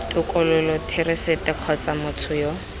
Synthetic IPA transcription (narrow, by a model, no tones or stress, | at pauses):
tʼʊkʼʊlʊlɔtʰɪrɪsetʼɪq͡χʰɔt͡samʊt͡sʰʊjo